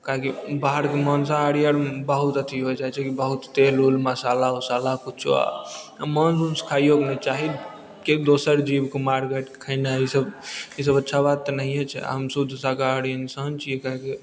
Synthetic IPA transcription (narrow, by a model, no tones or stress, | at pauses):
kaɦkibaɦəɾkeməns̬aəɽijəɽbəɦut̪ət̪ʰiɦojd͡ʒat͡ʃʰɛkibəɦut̪t̪elulməsalaosalakut͡ʃʰṵa̰ | amənsunskʰajoɡnɛt͡ʃaɦi | kekd̪osəɾd͡ʒibkemaɾkeʈkʰənaisəbis̬əbətːʃʰabad̪̚t̪ːənəɦĩɛt͡ʃʰɛ̰əmsəd̪ʱsakaəɽijənsənt͡ʃʰijekaɦki